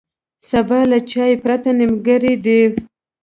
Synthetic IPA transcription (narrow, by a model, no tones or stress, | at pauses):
sabɑlat͡ʃɑjepɾat̪anɪmɡaɾid̪e